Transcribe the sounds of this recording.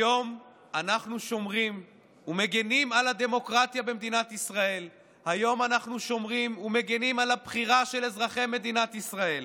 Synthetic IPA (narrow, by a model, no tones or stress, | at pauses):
jo̞m | anaχnuʃo̞mʁim | ume̞ɡe̞nimalad̪e̞mo̞kʁat̪jabe̞md̪inat̪isʁae̞l | hajo̞manaχnuʃo̞mʁimumeɡe̞nimalabχiʁaʃe̞le̞zʁaχe̞me̞d̪inat̪isʁae̞l